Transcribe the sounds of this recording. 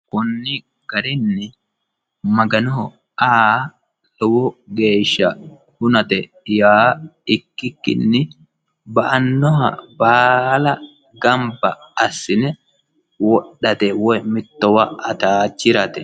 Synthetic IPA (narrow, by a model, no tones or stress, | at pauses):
kʊnːɪ | ɡ̥ɐɾɪnːɪ | mɐɡɐnɔ | aː | lɔwɔɡe̞ːʃːɐ | hʊnɐt̪ɛ | jaːɪkːɪkːɪ̰nːɪ | bɐʔɐnːɔɦɐ̰baːlɐ | ɡɐmbɐɐsːɪnɛ | wɔɗːɐt̪ɛwɔjmɪt̪ːɔwɐɐt̪aːt͡ʃːɪɾɐt̪ɛ